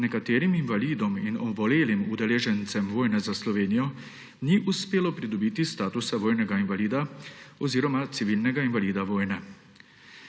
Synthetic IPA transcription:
nɛkat̪eːɾiminvaliːd̪ɔminɔʋɔleːlimud̪ɛleːʒɛnt̪sɛmʋoːjnɛzaslɔʋeːnijɔ | niʔuspeːlɔpɾid̪ɔbiːt̪ist̪aːt̪usaʋoːjnɛɡainvaliːd̪aɔziːɾɔmat̪siʋiːlnɛɡainvaliːd̪aʋoːjnɛ

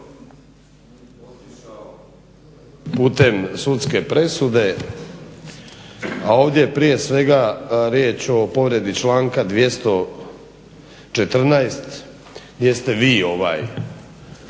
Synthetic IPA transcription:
puːt̪e̞msut̪ske̞pɾe̞sud̪e̞ | ao̞ːʋd̪jejepɾije̞sʋe̞ɡaɾjeːt͡ʃo̞po̞ʋɾe̞d̪it͡ʃlaːŋkad̪ʋje̞st̪o̞ | t͡ʃet̪r̩naest̪ | jest̪e̞ʋiːo̞ʋa̰ːj

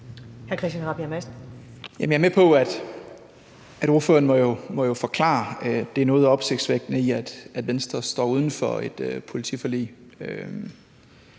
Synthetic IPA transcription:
hæɐkʰɛsd̥ænʁɑ̈b̥æmæsd̥ | jæmnjæɐmepʰɒ̽æd̥ | æɾ̥o̝ɐfø̰ɐnmɒ̽jomɒ̽jo̝fɒ̽kʰlɑ̰̈ːd̥eæɐnɔ̽ːð̩ˠɒ̽b̥se̝ɡ̥̚d̥sʋeɡ̥̚d̥nəiæd̥æd̥ʋensd̥ʁɐsd̥ɒ̰ːuð̞ˠn̩fɒ̽e̝d̥øpʰo̝lit͡sʰifɒlḭːø

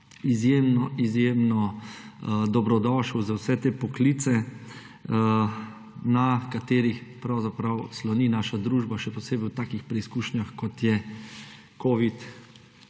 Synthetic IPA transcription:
izjeːmnɔʔizjeːmnɔ | d̪ɔbɾɔd̪ɔːʃuzawsɛt̪eːpɔkliːt̪sɛ | nakat̪eːɾixpɾawzapɾawslɔniːnaːʃad̪ɾuːʒbaʃɛpɔseːbɛɪwt̪aːkixpɾɛiskuːʃnjaxkɔt̪jɛ | koːʋit̪

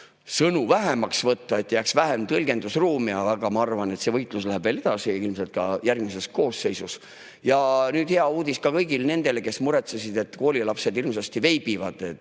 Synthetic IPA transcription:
sɤnuvæɦemɑksvɤt̪ːɑe̞t̪ːˑjæksvæɦemt̪ɤlɡe̞nd̪usruːmiɑɑɡ̥ɑmɑɑrvɑne̞t̪sevɤjt̪ˑluslæɦæb̥veːle̞d̪̥ɑsiilmse̞lt̪̚kɑjærɡmis̬e̞sko̞ːsːe̞jsus | jɑnyːd̪̥heɑuːd̪iskɑkɤjɡilne̞nd̪̥e̞leke̞smuɾe̞t̪sesid̪e̞t̪ːˑko̞ːlʲilɑpse̞d̪̥ilms̬ɑst̪ive̞jb̥ivɑd̪̥et̪

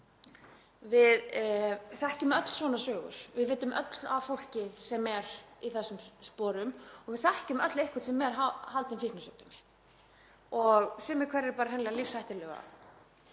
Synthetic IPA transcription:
vɪð | θɛhcʏmœt̪l̥svɔːnasœːɣʏ̰ɾ̥vɪðvɪːt̪ːʏmœ̰t̪lavfowl̥cɪsɛmɛɾiθɛsːʏmspɔːɾʏmɔɣvɪðθɛhcʏmœt̪lejhkʰḁɾt̪sɛmːɛɾ̥ɦahalt̪ɪmfihknasʏk̚t̪ʏmɪ | ɔɣsʏːmɛkʰvɛɾːɪɾpaːɾaɦɛnlɛɣalifsajht̪ɪlɛːɣa̰

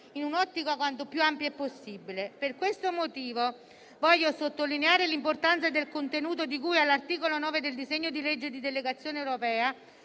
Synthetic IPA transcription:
inunɔt̪ːikoakwant̪opjuampjoɛpːosːibileperkwest̪omot̪iːvo | vɔʎːosot̪ːolineaːɾelimport̪ant̪sad̪elkont̪enuːt̪od̪ikujalːart̪iːkolonɔːved̪eld̪izeɲːod̪iled͡ʒːed̪id̪eleɡat̪sːjoːneewɾopɛːa

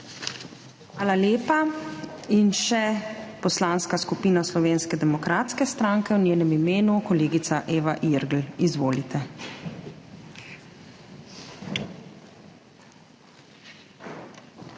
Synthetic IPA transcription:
xʋaːlaleːpa | inʃɛpɔslaːnskaskupiːnaslɔʋeːnskɛd̪ɛmɔkɾaːt̪skɛst̪ɾaːŋkɛwnjeːnɛmimeːnukɔleːɡit̪saʔeːʋaʔiɾɡl̩izʋoːlit̪ɛ

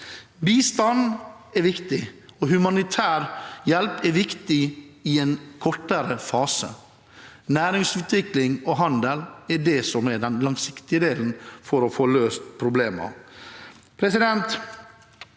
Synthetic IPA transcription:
biːst̪ɑnɛɾʋɪkt̪ɪɔɦʉmɑnɪt̪ʰæːɾjɛlpɛɾʋɪkt̪ɪɪɛnkʰɔʈːəɾəfɑːsə̰ | næːɾɪŋsʉːt̪ʋɪklɪŋɔɦɑnd̪əlɛɖɛsɔmɛɖɛnlɑŋsɪkt̪ɪəd̪eːln̩fɔɾɔfoːløːst̪pʰɾʊbleːmə̰ | pʰɾɛsɪd̪ɛnt̪

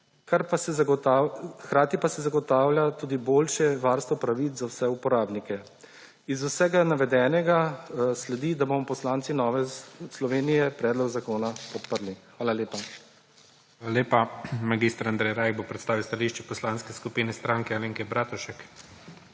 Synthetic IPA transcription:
kaɾpasɛ | kɾaːt̪ipasɛzaɡɔt̪aːwljat̪uːd̪iboːlʃɛʋaːɾst̪ʋɔpɾaʋit͡s̪zawsɛupɔɾaːbnikɛ | izusɛɡanaʋɛd̪ɛːnɛɡaslɛd̪id̪abomɔpɔslaːnt̪sinɔːʋɛslɔʋeːnijɛpɾɛːd̪lɔɡzakoːnapɔpəɾlixʋaːlaleːpa | ʋaːlaleːpamaɡist̪ɾand̪ɾɛjɾajɡbopɾɛt̪st̪aːʋilwst̪aliʃt͡ʃɛpɔslanskɛskupiːnɛst̪ɾaːŋkɛaleːŋkɛbɾaːt̪uʃɛk

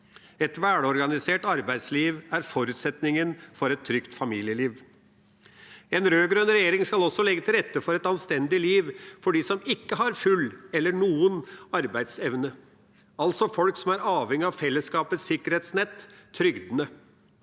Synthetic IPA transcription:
ɛt̪ʋæːɽɔɾɡɑnɪseːʈɑɾbæɪd̪sliːʋæɾfɔɾʉːt̪sɛt̪nɪŋənfɔɾɛt̪ʰːɾʏkt̪fɑmiːlɪəliːʋ | ɛnɾøːɡɾœnɾɛjeːɾɪŋskɑlɔsːɔlɛɡːət̪ʰɪlɾɛt̪ːəfɔɾɛt̪ɑnst̪ɛnd̪ɪliːʋfɔɖiːsɔmɪkːəɦɑɾfʉlːɛlːəɳuːənɑɾbæɪd̪sɛʋnə | ɑlt̪sɔfɔlksɔmæɾɑːʋhɛŋːɪɑʋfɛlːəskɑːpət̪sɪkəɾheːt̪snɛt̪ʰːɾʏɡd̪nə

